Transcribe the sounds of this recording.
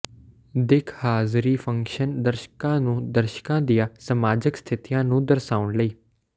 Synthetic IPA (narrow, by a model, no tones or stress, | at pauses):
d̪ɪkʰhaːzɾiːfʰə̃ŋkʃənd̪əɾʃə̥kãːnũːd̪əɾʃkãːd̪ijãːsəmaːd͡ʒɪkst̪ʰɪt̪ijãːnũːd̪əɾsaːʊɳləiː